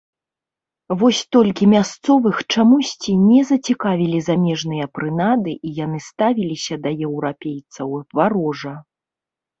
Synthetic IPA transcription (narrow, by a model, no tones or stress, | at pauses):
vɔsʲt̪ɔlʲkʲimʲast̪sɔvɨxt͡ʂamusʲt͡sʲinʲɛzɐt͡sʲikavʲilʲizamʲɛʐnɨjɐpɾɨnad̪ɨʔijan̪ɨst̪avʲilʲisʲɐd̪ɐjɛwɾapʲejt̪sɐwvaɾɔʐɐ